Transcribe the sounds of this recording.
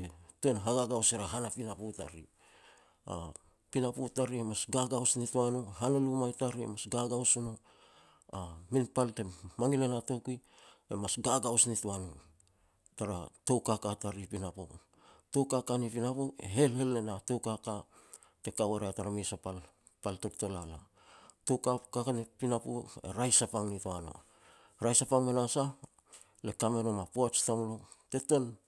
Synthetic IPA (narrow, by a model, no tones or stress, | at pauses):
toenɦaɡaɡawseɾaɦanapinaputa̰ɾḭ | a̰ | pinaputaɾiemasɡaɡawsnituanoɦanalumajtaɾiḛmasɡaɡawsuno | aminpalte̞maŋilenato̞kiemasɡaɡawsnituano | taɾato̞wkakataɾipinapo̰ | to̞wkakanipinapoḛɦe̞lhe̞lːenato̞wkaka | te̞kaweɾeataɾamisapal | paltoɾto̞lala̰ | to̞wkakakanipinapo̰e̞̰ɾajsapaŋnituano̰ | ɾajsapaŋmenasa | le̞kame̞no̞mapoat͡ʃtamlo | te̞to̞n